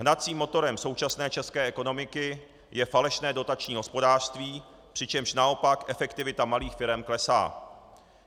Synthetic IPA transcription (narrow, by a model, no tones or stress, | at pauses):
ɦnat͡siːmːo̞t̪o̞ɾɛmso̞wt͡ʃasnɛːt͡ʃɛskɛːʔɛko̞no̞mɪkɪ | jɛfalɛʃnɛːdo̞t̪at͡ʃɲiːɦo̞spo̞daːr̥st̪viː | pr̝̥ɪt͡ʃɛmʃnao̞pakʔɛfɛkt̪ɪvɪt̪amaliːxfɪɾɛmklɛsa̰ː